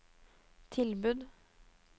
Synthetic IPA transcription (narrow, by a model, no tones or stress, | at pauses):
t̪ʰɪlbʉd̪